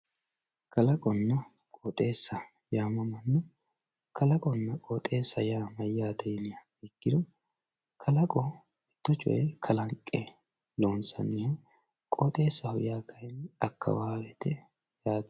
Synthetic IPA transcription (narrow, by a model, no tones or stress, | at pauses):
kʰɐlɐkʼɔnːɐ | kʼoːt̪ʼe̞ːsːɐ | jaːmɐmɐnːɛ | kʰɐlɐkʼɔnːɐkʼoːt̪ʼe̞ːsːɐjaːmɐjːaːd̪ɛjnɪjɐ | ɛɡːɪd̪ɔ | kʰɐlɐkʼɔ | ɛt̪ːɔt͡ʃʼɔ̰jɛkʰɐlɐŋkʼːɛ | loːnsɐ̰nːɪhɛ | kʼoːt̪ʼe̞ːsːɐhʊjaːkʰɐjnɐkːɐ̰waːwɛt̪ɛ | jaːt̪